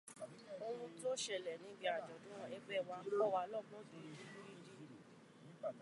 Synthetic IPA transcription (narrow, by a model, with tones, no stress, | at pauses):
o˧wũ˧to˦ʃɛ˦˨lɛ˨nĩ˨˦ɡ͡bi˧˦a˨d͡ʒɔ˨dũ˨˦w̃ɔ̃˧˨ɛ˧ɡ͡bɛ˦˨wa˨˧˦kɔ˦˨wa˧lɔ˦˨mɔ̃˦de˨di˦bu˦i˦ɾi˦˨